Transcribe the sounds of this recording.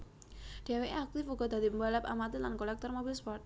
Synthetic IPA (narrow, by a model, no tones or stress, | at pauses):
ɖ̪̥ɛ̤weʔak̚t̪ɪfuɡɔd̪a̤d̪i̤pəmbalap̚a̰mat̪ilankolɛk̚t̪ɔrmobilspɔrt̪̚